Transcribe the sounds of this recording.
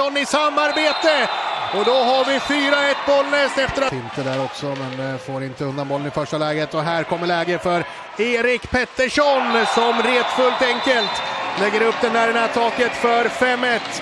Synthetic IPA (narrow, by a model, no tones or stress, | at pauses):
ɔnːɪsamːaɾbeːt̪əɔd̪ɔɦaɾvɪfyːɾaɛt̪ːbɔlːnɛst̪ɛft̪əɾaɪnst̪əd̪æːɾɔksɔmɛnfoːɾɪnt̪əɵnd̪anbɔlːənɪfœʂʈalɛːɡət̪ɔɦæːɾkʰɔmːəɭɛːɡəfœɾ | eːɾɪkpʰɛt̪ːəʂɔnsɔmɾeːt̪fɵlt̪ɛŋkəlt̪lɛɡːəɾɵpːd̪ɛnd̪æːɖɛnæːt̪ʰɑːkət̪fœɾfɛmːɛt̪